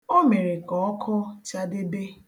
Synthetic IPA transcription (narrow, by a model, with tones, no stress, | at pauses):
o˦me˨ɾe˨kɔ˨˦ɔ˦kʰʊ˦t͡ʃa˦dɪ˦be˦